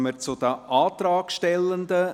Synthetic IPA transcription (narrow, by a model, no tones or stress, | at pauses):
məɾt͡sʊd̥̪əʔɑːt̪ɾɑːkʃtɛlːənd̪ə